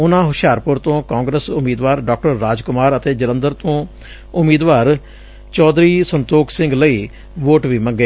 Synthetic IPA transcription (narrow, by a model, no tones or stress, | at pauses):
ʊnãːɦʊʃaːɾpʊɾt̪õːkãːŋɡɾəsʊmiːd̪ʋaːɾɖaːk̚ʈəɾːaːd͡ʒkʊmaːɾət̪eːd͡ʒələ̃nd̪əɾt̪õː | ʊmiːd̪ʋaːɾ | t͡ʃɔːd̪ɾiːsənt̪oːksɪ̃ŋɡləiː | ʋoːʈʋiːməɡeː